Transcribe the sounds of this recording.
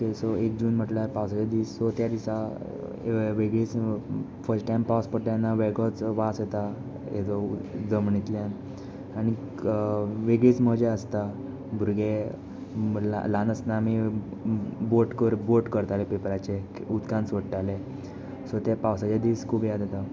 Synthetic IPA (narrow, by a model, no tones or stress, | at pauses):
t̪esɔek̚d͡ʑuːnm̤əʈlaɾpawsat͡ɕad̪iːsːɔt̪jad̪isa | ʋeɡɭit͡s | fəɾsʈʈajmpawspəɾʈjanːaʋeɡɔt͡sʋaset̪a | ed͡zɔd͡zəmɳit̪ljan | aɽ̃i | ʋeɡɭiːt͡sm̤əd͡ʑeəst̪a | bʱuɾɡe | lanəsnami | boʈkəɾboʈkəɾt̪alepepɾat͡ɕe | ud̪kãnsʋəɽʈ̪ale | sɔt̪epawsat͡ɕad̪iːskʰubjad̪ʱat̪a